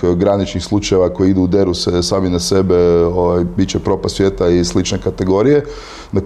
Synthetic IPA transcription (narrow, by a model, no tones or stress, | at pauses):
ɡɾanit͡ʃnixslˠut͡ʃajeʋako̞jiid̪uːd̪e̞ɾusesaːminase̞beoʋajbitt͡ʃepɾo̞pasʋje̞ːt̪aislit͡ʃnekat̪e̞ɡo̞ɾije̞ | na